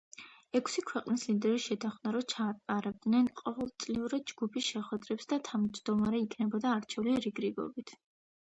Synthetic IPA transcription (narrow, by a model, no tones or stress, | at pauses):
ɛkʰsikʰwɛqʼnislid̪ɛɾiʃɛt̪ʰaχnaɾɔt͡ʃʰaːt̪ʼaɾɛb̚d̪nɛnqʼɔvɛlˠt̪sʼliuɾad̪̚d͡ʒɡupʰisʃɛχwɛd̪ɾɛpsd̪at̪ʰamd͡ʒd̪ɔmaɾɛikʰnɛbɔd̪aːɾt͡ʃʰɛvliɾiɡɾiɡɔ̰bit̪ʰ